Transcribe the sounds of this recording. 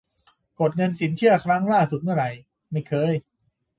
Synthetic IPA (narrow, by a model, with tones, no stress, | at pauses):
ko˨˩t̪̚ŋɤ˧nsi˨˩˦nt͡ɕʰɯ˥˩ɐkʰɾa˦˥ŋlaː˥˩su˨˩t̪̚mɯ˥˩ɐɾa˧j | ma˥˩jkʰɤː˧j